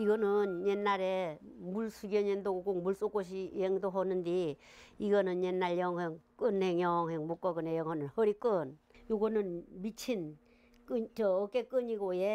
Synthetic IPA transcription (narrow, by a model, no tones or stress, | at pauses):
iɡʌnɯnjenːaɾemuɭsʰuɡjʌɲend̪oɡokoŋmuɭs͈ok͈oɕ̬ʰijeŋd̪oɦonɯnd̪iiɡʌnɯnjenːaɭjʌŋweŋk͈ɯnheŋjʌŋɦeŋmok͈ːʌɡɯnejʌŋɦonɯnhʌɾik͈ɯn | joɡonɯnmit͡ɕʰin | kɯɲt͡ɕʌːkekɯɲiɡoje